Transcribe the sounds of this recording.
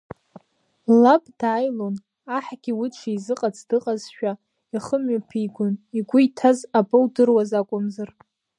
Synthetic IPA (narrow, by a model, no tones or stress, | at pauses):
labʼdaːjlon | aħɡʲiwiʈ͡ʂʷʰiizɨqʼat͡sʰʼdɨqʼazʃᶣa | iχəmɥapʰijɡʷʊniɡʷʊitʰazabʼɨwdɨrwazakʷʼʊmzar